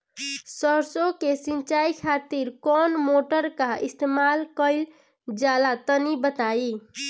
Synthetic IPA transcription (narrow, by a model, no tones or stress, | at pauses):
səɾsokesint͡ʃaikʰat̪iɾkɔnmoʈəɾkaist̪emalkəɪl | d͡ʒalat̪ənibət̪ai